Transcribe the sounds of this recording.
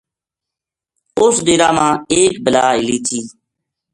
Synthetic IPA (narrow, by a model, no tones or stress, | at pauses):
ʊsd̪eːɾaːmãːeːk̚bəlaːɪliːt̪ʰiː